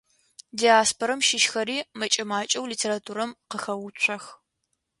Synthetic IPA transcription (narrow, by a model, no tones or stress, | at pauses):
diaːspʰoɾɐmʃɪʃxɐɾiːmɐt͡ʃʼɐmaːt͡ʃʼɐwliːtʰeːɾatʰuːɾɐmqəxɐwʊɕʷʰɐx